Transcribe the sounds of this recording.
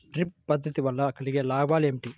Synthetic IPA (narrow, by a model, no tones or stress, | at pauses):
ɾipːɐd̪ʱːɐt̪iʋɐlːɐkɐɭiɡelaːbaːlemʈi